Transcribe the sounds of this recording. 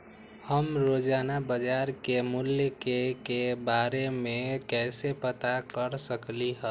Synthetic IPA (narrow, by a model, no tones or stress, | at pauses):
həmɾod͡ʒanabəd͡ʒaɾkemuljəkekebaɾemekɛsepət̪akəɾsəkliɦə